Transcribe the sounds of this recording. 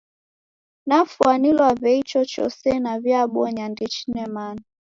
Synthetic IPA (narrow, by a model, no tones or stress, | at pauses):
nafuanilwavɛit͡ʃɔt͡ʃɔ̰sɛnavjaɓɔɲandɛt͡ʃinɛmani